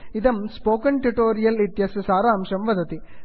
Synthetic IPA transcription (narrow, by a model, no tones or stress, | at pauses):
ɪðɐmspoːkɐɳʈuʈoːɾɪjɐlɪt̪jɐssaːɾaːmʂɐmʋɐðɐt̪i